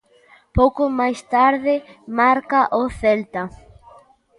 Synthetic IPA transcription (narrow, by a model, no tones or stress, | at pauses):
powkomajst̪aɾðɪmaɾkaʔoθelt̪a